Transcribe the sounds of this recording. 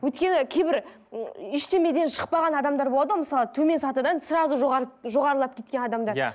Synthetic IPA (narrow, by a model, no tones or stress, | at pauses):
wɵjt̪kʲe̞nɪkʲʰejbɪɾ | ɪʃt̪e̞me̞d̪e̞nʃə̥q̚pɑʁɑnɑd̪ɑmd̪ɑɾbo̞lˠɑd̪əməsɑlˠət̪ʰɵme̞nsɑt̪əd̪ɑnsəɾɑzəʒʒo̞ʁɑɾəlˠɑp̚kʲe̞t̪kʲe̞nɑd̪ɑmd̪ɑɾ